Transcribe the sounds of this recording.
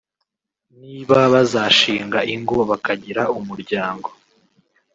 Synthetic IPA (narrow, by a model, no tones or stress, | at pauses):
niːβaβazaːʃiːŋɡaʔiŋɡoβakaɟiɾaumuɾɟaːŋɡo̞